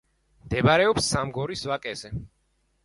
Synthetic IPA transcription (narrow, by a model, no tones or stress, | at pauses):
md̪ɛbaɾɛɔpsːamɡɔɾisvakʼɛzɛ